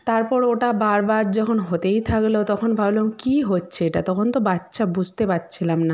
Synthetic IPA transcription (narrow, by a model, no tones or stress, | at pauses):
t̪aɾpɔɾoʈabaɾbaɾd͡ʑɔkʰonɦot̪ejt̪ʰaklot̪ɔkʰonbʱablokiɦotːɕʰeeʈat̪ɔkʰont̪obatːɕʰabud͡ʑʱt̪epatːt͡ɕʰilamna